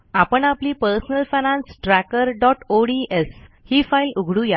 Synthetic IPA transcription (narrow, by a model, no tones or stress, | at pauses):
apəɳapliːpəɾsənəlfanãnsʈɾækəɾɖɔʈoɖiʔeshiːfailuɡʱɽũja